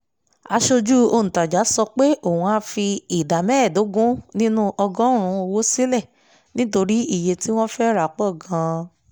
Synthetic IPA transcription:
a˧ʃo˧d͡ʒu˦o˧ñ̩˨ta˨d͡ʒa˨˦sɔ˧k͡pe˦ʔo˦˨ũ˧a˧˦fi˧i˨da˨mɛ̃˦˨do˨˦ɡũ˦nĩ˦nũ˦ʔɔ˧ɡɔ̃˦ɾ̃ũ˨˧˦o˧wo˦si˦lɛ˦˨ | nĩ˦to˧ɾi˦i˦˨je˧ti˦w̃ɔ̃˦fɛ˦ɾa˨k͡pɔ˦˨ɡã˧˦

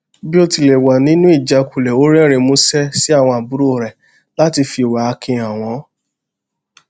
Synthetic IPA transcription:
bi˦o˧ti˧le˨wa˨nĩ˦nũ˦i˦˨d͡ʒa˧ku˨lɛ˨o˨˦ɾɛ˦˨ɾe˧mõ˦sɛ˦si˦a˦˨w̃ɔ̃˧a˨bu˨˦ɾo˦˨ɾɛ˨ | la˦ti˧fi˧˨wa˨a˧kʰẽ˧a˨w̃ɔ̃˨˦

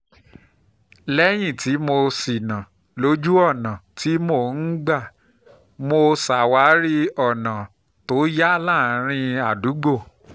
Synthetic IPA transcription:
lɛ˦j̃ĩ˦˨ti˨˦mo˧si˨nã˨ | lo˨˦d͡ʒu˦ɔ˦˨nã˨ti˨˦mo˦˧˨n̩˦ɡ͡ba˦˨ | mo˧sa˨wa˨˦ɾi˦ɔ˦˨nã˨ | to˨˦ja˦la˦˨˦ɾ̃ĩ˧a˨du˨˦ɡ͡bo˦˨

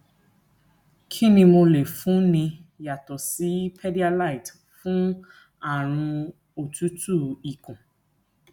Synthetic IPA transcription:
kʰi˦nĩ˧mo˧le˨fũ˨˦nĩ˧ja˨tɔ˨si˨˦pʰɛ˦di˦a˧la˦˨i˨t | fũ˦ | a˦˨ɾ̃ũ˧ | o˨tu˦tu˦˨i˨kũ˨

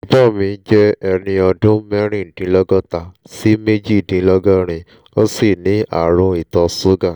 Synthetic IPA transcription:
i˨bɔ˦˨mĩ˧˦d͡ʒɛ˦ɛ˧nĩ˧ɔ˧dũ˦mɛ˦ɾ̃ĩ˦˨dĩ˨˦lɔ˦ɡɔ̃˦ta˧ | si˦me˦d͡ʒi˦˨dĩ˧˦lɔ˦ɡɔ˦ɾ̃ĩ˧ | o˦si˦˨nĩ˨˦a̰˦˨ɾ̃ũ˧i˨tɔ˧so˦ɡã˦˨

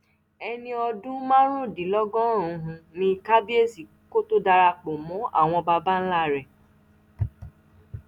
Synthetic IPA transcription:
ɛ˧nĩ˧ɔ˧dũ˦mã˦ɾ̃ũ˦˨dĩ˨˦lɔ˦ɡɔ̃˦˨ũ˧ɦũ˧nĩ˧˦˧ka˦bi˦e˦˨si˨ | ko˦to˦da˧ɾa˧k͡po˨mɔ̃˨˦ʔa̰˦˨w̃ɔ̃˧ba˧ba˦n̩˦la˦˨ɾɛ˨

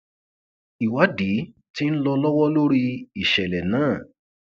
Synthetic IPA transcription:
i˨wa˨˦di˨˦ | ti˦n̩˦lɔ˧lɔ˦wɔ˦lo˦ɾi˧i˨ʃɛ˨lɛ˨nãː˦˨

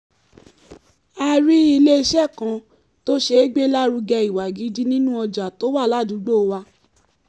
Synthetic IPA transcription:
a˧ɾi˦i˧le˦i˧ʃɛ˦˨kã˧˦ | to˦ʃe˧˦ɡ͡be˦la˦ɾu˧ɡɛ˧i˨wa˨ɡi˨˦di˦nĩ˦nũ˦ɔ˧d͡ʒa˨to˦wa˦˨la˦dũ˨˦ɡ͡bo˦˨˧wa˧

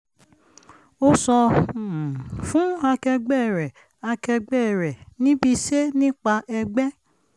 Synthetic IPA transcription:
o˦sɔ˧˨ | fũ˨˦a˧kɛ˧ɡ͡bɛ˦˨ɾɛ˨ | a˧kɛ˧ɡ͡bɛ˦˨ɾɛ˨nĩ˨˦bi˧se˦nĩ˦k͡pa˧ɛ˧ɡ͡bɛ˦

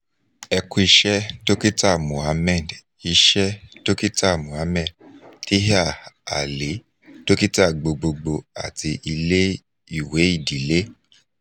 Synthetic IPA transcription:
ɛ˧ku˧i˧ʃɛ˦to˦ki˦ta˦˨mũ˨a˨˧mɛ˦˨d | i˧ʃɛ˦to˦ki˦ta˦˨mũ˨a˨˦mɛ˦˨dti˦ɦa˦˨a̰˨le˨˦ | to˦ki˦ta˦˨ɡ͡bo˧ɡ͡bo˧ɡ͡bo˧a̰˦˨ti˧ʔi˧le˦ | i˦˨we˨˦i˦˨di˨˦le˦

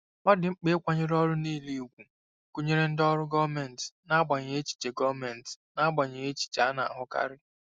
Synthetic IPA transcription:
mɔ˦dɪ˨ŋ͡m̩˦k͡pe˦kʷa˦ɲe˦ɾɔ˦ɾʊ˦niː˦˨li˦˨ɡʷu˨ | ku˦ɲe˦ɾe˦n̩˦dɔ˦ɾʊ˦ɡɔ˦mɛ˨n̩˨tna˦ɡ͡ba˨ɲe˨e˦t͡ʃi̥˨t͡ʃe˨ɡɔ˦mɛ˨n̩˨tna˦ɡ͡ba˨ɲe˨e˦t͡ʃi̥˨t͡ʃa˦na˨a̰˨ɦʊ˦ka̰˦ɾɪ˦

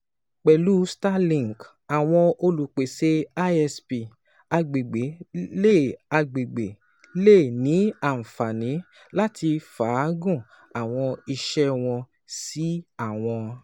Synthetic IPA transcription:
k͡pɛ˨lu˦sta˦lĩ˨ŋ˨k | a˨w̃ɔ̃˧o˧lu˨k͡pe˨se˦a˦ɛ˧spi˨ | a˧ɡ͡be˨ɡ͡be˨˦le˦˨a˧ɡ͡be˨ɡ͡be˨ | le˦˨nĩ˨˦a˦˨n̩˨fa˨nĩ˨˦ | la˦tʰi˧faː˨˦ɡũ˦˨ | a˨w̃ɔ̃˧i˧ʃɛ˦w̃ɔ̃˧ | si˦a˦˨w̃ɔ̃˧

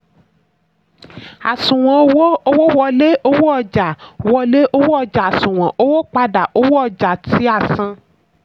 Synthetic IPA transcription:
a̰˨sũ˨w̃ɔ̃˨o˧˦wo˦o˦wo˦wɔ˧le˦ʔo˧˦wo˦ɔ˧d͡ʒa˨wɔ˧le˦ʔo˧˦wo˦ɔ˧d͡ʒa˨a˨sũ˨w̃ɔ̃˨ʔo˦wo˦k͡pa˧da˨ʔo˦wo˦ɔ˧d͡ʒa˨ti˨˦a˦˨sã˧

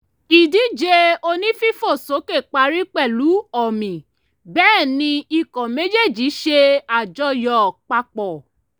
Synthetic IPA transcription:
i˨di˨˦d͡ʒe˧o˧nĩ˦fi˦fo˦˨so˨˦ke˦˨k͡pa˧ɾi˦k͡pɛ˦˨lu˨˦ɔ˦˨mĩ˨ | bɛː˦˨nĩ˧i˧kɔ̃˨me˨˦d͡ʒe˦˨d͡ʒi˨˦ʃe˧a˨d͡ʒɔ˧jɔ˨k͡pa˧k͡pɔ˨

